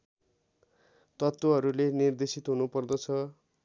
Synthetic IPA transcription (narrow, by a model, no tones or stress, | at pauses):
t̪ʌt̪wʌɦʌɾulenird̪esit̪ɦunupʌrd̪ʌt͡sʰʌ